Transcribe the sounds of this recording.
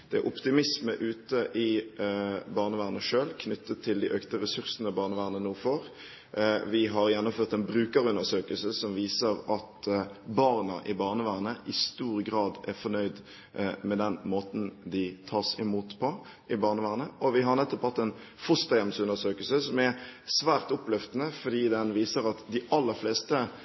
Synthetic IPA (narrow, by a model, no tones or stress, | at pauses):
d̪̥ɛæ̰ɾʔʊpt̪ɪmɪsməʔʉːt̪əʔɪ | bɑːʁnəʋæːʁnəʂøːlkʰnʏt̪ʰːət̪ʰːɪld̪ɪʔøːkt̪əɾɛsʉɾsənəbɑːʁnəʋæːʁnənuːfɔɾ | ʋɪɦɑɾjɛnːɔmføːʁt̪ɛnbɾʉːkəɾəʉnəsøːkəlsəsɔmʋiːsəɾɑt̪bɑːʁnəʔɪbɑːʁnəʋæːʁnəʔɪst̪uːɾəɡɾɑːd̪æɾfɔnœʏd̪ | mɛd̪ɛnmoːt̪nd̪ɪt̪ʰɑːsɪmuːt̪pʰɔ | ɪbɑːʁnəʋæːʁnəʔɔʋɪɦɑʁnɛt̪ːɔphɑt̪ːɛn | fʊst̪ɑɛmsʉnəsøːkəlsəsɔmæɾsʋæːʁt̪ɔplœft̪ənəfɔd̪iːd̪ɛnʋiːsəɾɑt̪d̪ɪʔɑlːəɾfleːst̪ə